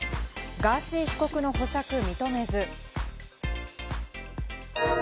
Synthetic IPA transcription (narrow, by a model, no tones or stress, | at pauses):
ɡaɕiːçi̥ko̞kɯ̟no̞ɦo̞ɕakɯ̟mʲit̪o̞me̞zɨ